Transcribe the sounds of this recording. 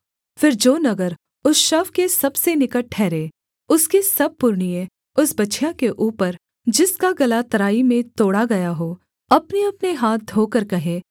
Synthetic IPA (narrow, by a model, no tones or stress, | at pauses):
fɪɾd͡ʒoːnɐɡəɾ | ʊsʃɐfkesɐbsenɪkəʈʰːɛːɾẽː | ʊskesɐb̚pʊɾɳije | ʊsbɐtːʃʰjãkeʔuːpəɾ | d͡ʒɪskaɡɐlat̪ɐɾaːimẽt̪oːɽaɡɐjaɦoː | ɐpneɐpneɦaːt̪̚d̪ʱoːkəɾkɐɦẽː